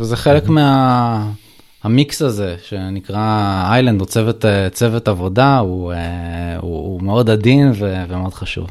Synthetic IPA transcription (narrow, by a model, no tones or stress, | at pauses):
vezeχe̞lekmea | amiksaze̞ʃe̞nikʁaajland̪ot͡sevet̪et͡se̞vetavo̞daueṵumeo̞dadinvevemeo̞d̥χaʃṵv